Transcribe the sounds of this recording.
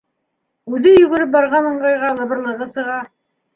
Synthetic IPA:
ʉðɘjɵ̆ɡɘ̆ɾɘp̚bɑɾʁɑnɤ̆ɴɢɑjʁɑlˠɤ̆βɤ̆ɾlˠɤ̆ʁɤsɤ̆ʁɑ

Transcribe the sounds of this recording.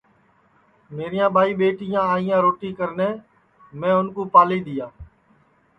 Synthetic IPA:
meːɾɪjãːɓaːiːɓeːʈɪjãːaːɪjãːɾoːʈiːkəɾnẽː | mɛ̃ːʊnkõːpaːliːd̪ɪjaː

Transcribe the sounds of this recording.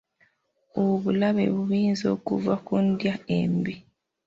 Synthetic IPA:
oβulaβḛβuβiːnzoːkṵvakundjaembi

